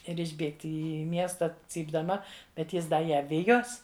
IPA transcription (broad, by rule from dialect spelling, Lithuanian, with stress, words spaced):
ˈɪr ɪʒʲˈbʲeːktʲɪ iː ˈmʲiɛstɐ t͡sʲiːbdɐˈmɐ bʲɛt ˈjɪs ˈdɐ ˈjæː ˈʋʲɪjoːs